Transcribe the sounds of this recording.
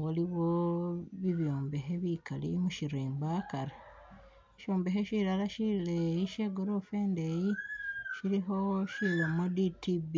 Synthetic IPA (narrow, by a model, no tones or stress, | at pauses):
woliβoβiβjoːmbeɦeβikalḭmuʃiɾeːmbakaɾe | eʃoːmbeɦeʃilalaʃilejiʃeɡoɾofeːndejiʃiɾiɦoʃilemoditibi